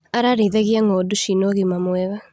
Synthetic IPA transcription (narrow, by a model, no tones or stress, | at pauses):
aɾaɾeðɛɣiaŋɔduʃinoɣimamwɛɣa